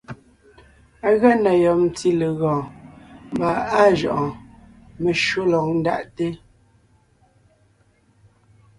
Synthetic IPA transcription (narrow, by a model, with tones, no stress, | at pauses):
a˦ɣa˦na˨jɔ˨n˨ti˦le˨ɣɔ̃ː˨m˨ba˨a˦ʒɔ̰˨ʔɔ̃˨ | me˨ʃwo˦lɔ˨k̚n̩˦da̰˦˨ʔte˦